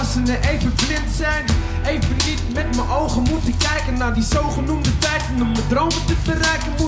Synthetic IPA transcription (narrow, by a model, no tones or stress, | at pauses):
sənəejvəblɪntsɛjn | ejvənnitmɛtməʔowχəmutəkɛjkənːaːdizowχənumdətɛjtənɔmədrowmətəbərɛjkənu